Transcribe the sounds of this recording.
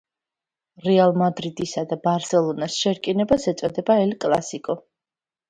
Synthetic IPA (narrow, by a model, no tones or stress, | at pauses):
ɾɛalˠmad̪ɾid̪isad̪abaɾsɛlˠɔnasʃɛɾkʼinɛbasɛt̪sʼɔd̪ɛbaɛlkʼlˠa̰sikʼɔ